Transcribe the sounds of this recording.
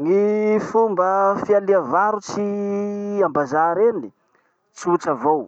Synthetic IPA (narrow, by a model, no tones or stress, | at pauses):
ŋifumbəfialiavaɾut͡si | ambazaɾeni̥ | t͡ʃiut͡səvow